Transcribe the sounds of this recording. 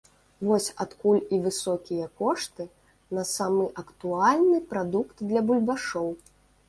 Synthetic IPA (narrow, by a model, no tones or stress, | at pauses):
vɔsʲat̪kulʲivɨsɔkʲijɐkɔʂt̪ɨ | nɐsamɨʔɐkt̪ualʲnɨpɾad̪ukt̪d̪lʲɐbulʲbaʂɔw